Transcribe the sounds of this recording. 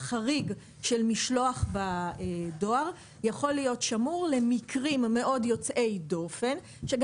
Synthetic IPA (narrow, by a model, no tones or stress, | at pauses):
χaʁiɡ | ʃelmiʃloaχbado̞aʁ | jaχo̞lːijo̞tʃamuʁle̞mikʰʁimːe̞ʔo̞djo̞t͡sʔe̞jdo̞fe̞n | ʃe̞ɡ